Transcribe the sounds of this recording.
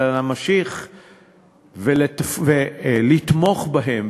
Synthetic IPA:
lamaʃiχ | veletfvelit̪mo̞χbaɦem

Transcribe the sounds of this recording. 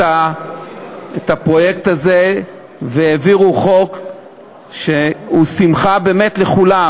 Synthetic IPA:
a | etapʁo̞jekt̪aze | veeviʁuχo̞k | ʃeusimχabe̞ːme̞tle̞χula

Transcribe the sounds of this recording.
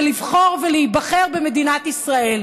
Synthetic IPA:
livχo̞ʁveleibaχeʁbeme̞d̪inat̪isʁae̞l

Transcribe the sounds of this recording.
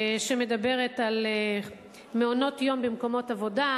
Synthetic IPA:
ʃeme̞dabe̞ʁetal | meono̞tjo̞mbemko̞mo̞tavo̞da

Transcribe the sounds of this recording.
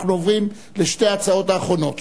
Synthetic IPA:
knovim | leʃtejat͡sao̞taːχʁo̞no̞t̪

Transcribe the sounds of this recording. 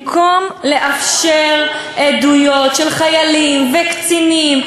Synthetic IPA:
kʰomle̞ʔafʃeʁ | ʔed̪ujo̞tʃelχajalimvekt͡sinim

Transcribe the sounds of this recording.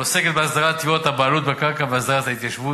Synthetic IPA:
pose̞ket̪beasd̪aʁat̪juot̪habaːlut̪bekaʁkabeasd̪aʁat̪hait̪jaʃvu

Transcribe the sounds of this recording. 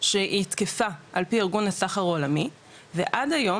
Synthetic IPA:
ʃeʔit̪kefaʔalpiiʁɡunhasaχaʁo̞lami | vḛʔadajo̞

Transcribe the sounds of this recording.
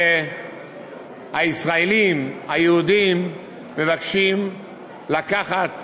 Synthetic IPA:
e | haisʁaelimajeud̪imː | e̞vakʃim | lakaχat̪

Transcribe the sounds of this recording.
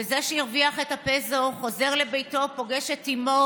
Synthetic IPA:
ezeʃejiʁviaχetapezoχo̞ze̞ʁle̞bejto̞po̞ɡe̞ʃetimo

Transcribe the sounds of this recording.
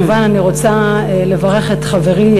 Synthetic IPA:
vananiʁo̞t͡sale̞vaʁe̞χetχave̞ʁi

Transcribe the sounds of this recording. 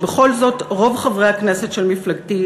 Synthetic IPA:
beχo̞lzo̞tʁo̞vχavʁehaknesetʃelmiflaɡti

